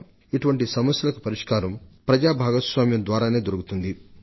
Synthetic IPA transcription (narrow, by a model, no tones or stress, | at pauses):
iʈuʋɐɳʈisɐmɐsjɐlɐkupɐɾiʂkaːɾɐmpɾɐd͡ʒaːbʱaːɡɐsʋaːmjɐmd̪ʋaːɾaːne̞ːd̪oɾuɡut̪und̪i